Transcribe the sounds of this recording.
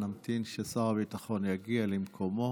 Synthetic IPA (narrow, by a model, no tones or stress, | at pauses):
namt̪inʃesaʁabit̪aχo̞njaɡialimkʰomo̞